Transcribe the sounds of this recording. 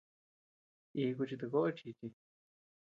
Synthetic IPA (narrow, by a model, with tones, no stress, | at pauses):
i˧ku˧t͡ʃi˧t̪̬u˧ko˦ʔo˦t͡ʃi˧t͡ʃi˧